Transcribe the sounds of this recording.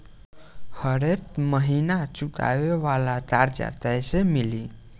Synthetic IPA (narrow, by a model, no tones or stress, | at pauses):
həɾet̪̚məɦinat͡ɕuka̰ʋeʋalat̪aɾd͡ʑa̰t̪ɛjsemili